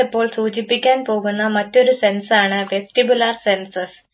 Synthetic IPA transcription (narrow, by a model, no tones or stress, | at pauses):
epːo̞ːɭsuːt͡ɕipːikʲːaːnpo̞ːɣunːɐmɐtːo̞ɾuse̞nsaːɳɨʋe̞sʈibjularsensɐs